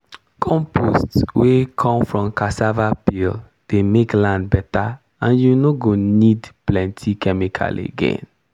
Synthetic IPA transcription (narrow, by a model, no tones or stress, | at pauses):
kʰɔ̃mpʰostswekʰɔ̃mfɹɔ̃mkasavapil | d̥emeklãndbɛta | ãnjunoɡonidplɛ̃ntʰikʰɛmikʰa̰lḛɡḛ̃n